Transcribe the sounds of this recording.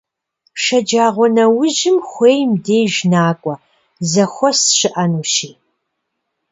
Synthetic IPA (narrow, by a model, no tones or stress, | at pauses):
ʃɐd͡ʒaːʁʷɔnɐwʊʒɪmxʷeːjmdeːjʒnaːkʷʼɔ | zɐxʷɔsɕɪʔɐnuːʃiː